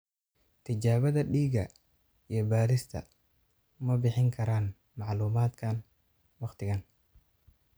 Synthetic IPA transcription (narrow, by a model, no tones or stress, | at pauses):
t̪ʰɪt͡ʃaːβɐðɐɖiːɡɐ | ijɞbaːɾɪst̪ʰɐ̰ | mɐbɪħɪŋkʰɐɾaːn | mɑʕluːmaːd̪kʰaːn | wɑqt̪ʰɪɣan